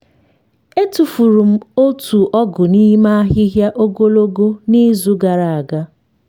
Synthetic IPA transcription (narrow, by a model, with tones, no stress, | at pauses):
e˦tu˨fu˨ɾu˨m̩˦o˦tu˨ʔɔ˦ɡʊ˨ni˦ma˦a˦ɦɪ˦ɦja˦ʔo˦ɡo˦lo˦ɡo˦ni˦zu˦ɡa˨ɾa˨a˨ɡa˦